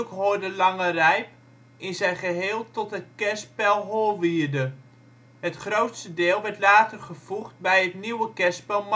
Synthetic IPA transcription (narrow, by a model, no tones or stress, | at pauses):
kɦoːdəlɑŋərɛjp | ɪnzɛjχəɦɪːlˠtɔtəkɛspɛlˠɦoːlˠʋiːrdə | ɦətχrowtsədɪːlˠʋɛrtlaːtərχəv̥uχt̚bɛjətniwəkɛspɛlˠm